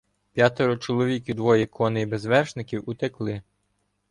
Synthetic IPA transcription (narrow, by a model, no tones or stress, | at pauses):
pʲjɑt̪ɔɾɔt͡ʃɔlˠɔʋʲikʲid̪ʋɔjikʰɔnɪibezʋɛrʃnɪkʲiwut̪eklˠɪ